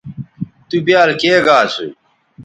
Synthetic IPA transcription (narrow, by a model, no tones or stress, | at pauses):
t̪ubjaːlkeːɡaːsṵ